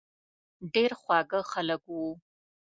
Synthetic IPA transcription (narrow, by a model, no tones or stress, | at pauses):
ɖeɾxwɑɡəxaləkwu